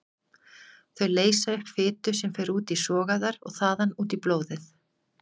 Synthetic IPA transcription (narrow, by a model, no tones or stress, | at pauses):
θœɥleːjsaʏhpfɪːt̪ʏsɛmfejɾuːt̪isɔːɣaðaɾɔ̰ɣθaːðanuːt̪iploːwðɪθ